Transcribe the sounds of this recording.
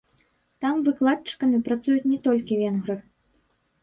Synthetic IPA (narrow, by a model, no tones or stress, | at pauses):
t̪amvɨklˠat̪̚t͡ʂɨ̥kɐmʲipɾat̪sujut͡sʲnʲɛt̪ɔlʲkʲivʲɛnɣɾɨx